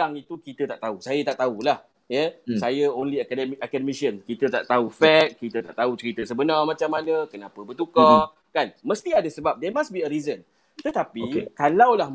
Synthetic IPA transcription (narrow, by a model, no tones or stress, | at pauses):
aŋit̪ukit̪ət̪aʔt̪ausajat̪aʔ̚t̪aulah | jəsajəonliakdakadəmisənkit̪ət̪a̰ʔt̪aufɛt̚kit̪ət̪a̰ʔt̪aut͡ʃəɾit̪əsəbənarmãt͡ʃamːanə̃kənãpəbərt̪uka | kanməst̪iadasəbap̚demasbiəɾizən | t̪ət̪apikalawlah